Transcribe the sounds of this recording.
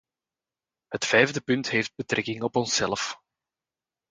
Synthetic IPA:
ɦətfɛjvdəpʏntɦeːfd̚bətrɛkɪŋɔpɔnsɛləf

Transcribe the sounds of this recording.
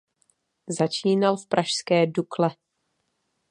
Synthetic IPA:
zat͡ʃiːnalfpɾʔaʃskɛːduklɛ

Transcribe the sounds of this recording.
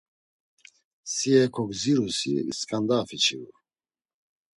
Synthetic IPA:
siɛkʰɔɡziɾusḭskʼand̪afit͡ʃʰiṵ

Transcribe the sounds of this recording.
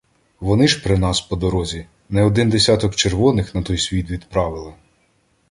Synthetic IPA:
ʋɔnɪʒpɾɪnɑspɔd̪ɔɾɔzʲi | nɛɔd̪ɪnd̪esʲɑt̪ɔkt͡ʃerʋɔnɪxnɐt̪ɔjsʲʋʲit̪ʋʲid̪pɾɑʋɪlˠɪ

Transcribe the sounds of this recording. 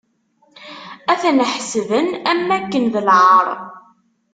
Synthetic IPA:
æθænəħsvənæmːækːənðəlʕəɾˤ

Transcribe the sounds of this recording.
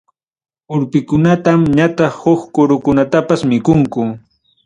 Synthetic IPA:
ʊɾpɪkʊnat̪amɲat̪ɑχhoχkʊɾʊkʊnat̪apasmɪkʊŋkʊ

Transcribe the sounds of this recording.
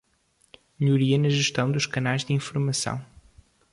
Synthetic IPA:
mɨʎuɾiɐnɐʒɨʃt̪ɐ̃w̃d̪uʃkɐnajʒd̪ɨĩfuɾmɐsɐ̰̃w̃

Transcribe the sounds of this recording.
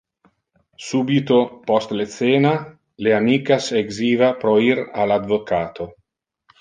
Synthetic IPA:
suːbit̪opɔst̪let̪seːna | leamiːkaseɡziːvapɾoiɾalad̪vokaːt̪ʰo

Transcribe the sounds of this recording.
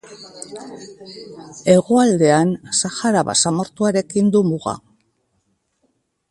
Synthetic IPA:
e̞ɣoald̪e̞ansaxaɾaβa̰samo̞ɾt̪uaɾe̞kind̪umuɣa̰

